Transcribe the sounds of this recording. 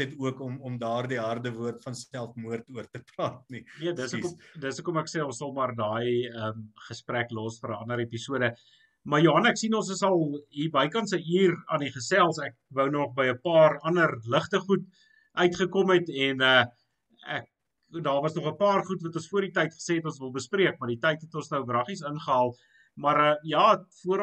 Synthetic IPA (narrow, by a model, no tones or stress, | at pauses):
ɛtuəkɔmɔmdɑːrdiɦɐrdəvuərtfɐnsælˠfmuərtuərtəprɑːt̚niniədəskɔdəsəkɔmæksɛɔ̃nsɐlˠmɐrdɑːjəmχəspræklɔːsfəɾəɐndəɾepisuədə | mɐrjoɦɐnæksinɔnsəsɐlˠibɐjkɐnsəiːrɑndiχəsælˠsæk̚vəwnɔχbəjəpɑːrɐndərləχtəχut | ʔœɥtχəkɔmɛtɛnə | æk̚ | dɑːrvɐsnɔχəpɑːrχutvɐtɔ̃nsfuərditɐjtχə̥seːɛtɔ̃ns̬vəlˠbəspriək̚mɐrditɛjtɦɛtɔnsnəwbrɐχisənχəɦɐlˠt | mɐɾəjɑːfuəɾ